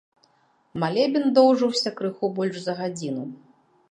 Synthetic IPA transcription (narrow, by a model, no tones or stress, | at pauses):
malʲɛbʲind̪ɔwʐɨwsʲɐkɾɨxɔbɔlʲʐzɐɣad͡zʲinu